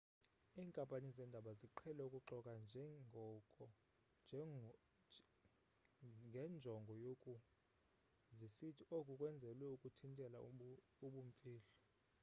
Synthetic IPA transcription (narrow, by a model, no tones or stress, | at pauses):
iːŋkʼampʼanizɛndʱaɓaziǃʰɛlɛukʼuǁɔkʼand͡ʒʱɛŋɡʱɔkʼɔ | ŋɡʱɛnd͡ʒʱɔŋɡʱɔjokʼu | zisitʰiokʼukʼwɛnd͡zʱɛlwɛukʼutʰintʼɛla | uɓuɱ̩fiːɬɔ̥